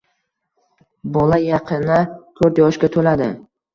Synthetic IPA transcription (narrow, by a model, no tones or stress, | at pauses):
bɒlajɑqʰɨnat̪ʰɵɾt̪jɒʃkʲat̪ʰolad̪ɪ